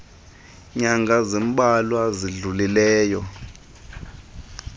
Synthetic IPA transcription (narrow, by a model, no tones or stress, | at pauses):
ɲaŋɡʱazimɓalwaziɮulilɛːjɔ